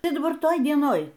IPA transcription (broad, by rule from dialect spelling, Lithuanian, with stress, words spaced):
ˈtɐɪ dɐˈbɐr ˈtoːj dʲiɛˈnoːj